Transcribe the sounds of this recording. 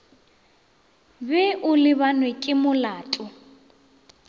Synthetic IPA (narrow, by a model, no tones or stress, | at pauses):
bɛʔʊlɪβanwɛkʼɪmʊlaːtʼʊ